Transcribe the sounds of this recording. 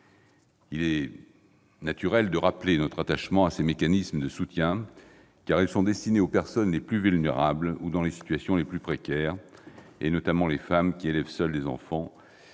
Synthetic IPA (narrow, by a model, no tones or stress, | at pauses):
ilɛ | nat̪yʁɛld̪əʁaplenɔt̪χat̪aʃmɑ̃asemekanisməd̪əsut̪jɛ̃ | kaʁiɛlsɔ̃d̪ɛst̪ineopɛʁsɔnleplyvylneʁablud̪ɑ̃lesi̥t̪ɥasjɔ̃leplypχekʲɛːʁ | ḛnɔt̪amɑ̃lefamkʲielɛvsœld̪ezɑ̰̃fɑ̃